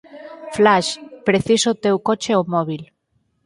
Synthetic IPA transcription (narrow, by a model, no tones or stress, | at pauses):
flaʃpɾeθisot̪ewkot͡ʃeomoβil